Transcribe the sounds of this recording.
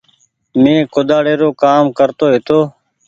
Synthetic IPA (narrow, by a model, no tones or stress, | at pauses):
mẽːkod̪aːɽeːɾoːkaːmkəɾt̪oːɦɪt̪oː